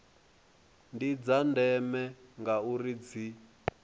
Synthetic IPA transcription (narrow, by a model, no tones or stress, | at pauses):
ndid͡zandɛmɛŋɡaurid͡zi